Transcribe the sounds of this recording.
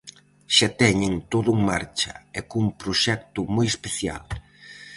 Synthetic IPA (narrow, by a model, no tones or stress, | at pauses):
ʃat̪ɛɲɪŋt̪oðʊuŋmaɾt͡ʃɐ̰ɛkuŋpɾoʃɛkt̪ʊmojespeθja̰l